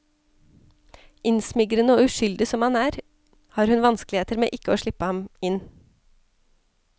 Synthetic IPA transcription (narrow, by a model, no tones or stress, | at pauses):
ʔɪnsmɪɡɾənəoːʉʃʏld̪ɪsɔmhɑnæːɾ | hɑːɾhʉnʋɑnsklɪeːt̪əɾmḛːʔɪkəoːʃɭɪpəhɑmɪn